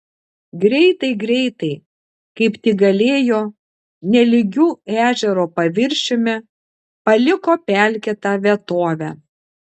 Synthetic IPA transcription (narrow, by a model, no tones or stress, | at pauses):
ɡɾʲɛɪt̪ɐɪɡɾʲɛɪt̪ɐɪ | kɐɪpt̪ʲɪːɡɐlʲeːjoː | nʲɛlʲɪɡʲuːæːʒʲɛɾoːpɐʋʲɪɾʲʃʲɪmʲɛ | pɐlʲɪkoːpʲælʲkʲɛt̪ɑːʋʲiɛt̪oːʋʲæ